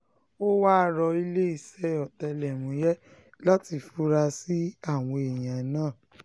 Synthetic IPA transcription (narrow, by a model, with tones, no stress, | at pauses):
o˦wa˦˧ɾɔ˧i˧le˦i˦˨sɛ˦ɔ˨tɛ˧lɛ˨mũ˨˦jɛ˦ | la˦ti˧fu˨˦ɾa˧si˦a˦˨w̃ɔ̃˧e˨j̃ã˨˦nãː˦˨